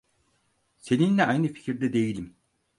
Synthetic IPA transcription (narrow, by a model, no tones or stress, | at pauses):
se̞ninlʲɛajnɯfi̥cʰiɾd̪ɛd̪e̞jilʲim